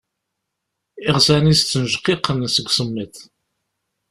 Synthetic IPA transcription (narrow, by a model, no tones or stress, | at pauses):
ɪʁzænist͡sːənʒqːiqːənsəɡʷsəmːiθ